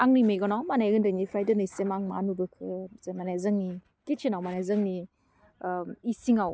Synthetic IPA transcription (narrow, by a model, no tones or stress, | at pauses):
aŋnɯmejɡɔnɔmanajɡɯndɯnipʰɾajdenɯjsemaŋma̰nubɯkʰɯzamanazɯŋni | kit͡ʃʰinawmanajzɯŋni | isiŋaw